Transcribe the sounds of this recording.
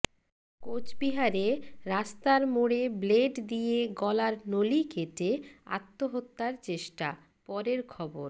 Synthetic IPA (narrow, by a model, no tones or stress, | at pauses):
kot͡ɕbiɦaɾeɾast̪aɾmoɽebleɖd̪ijeɡɔlaɾnolikeʈea̰t̪ːoɦot̪ːaɾt͡ɕeʃʈa̰ | pɔɾeɾkʰɔboɾ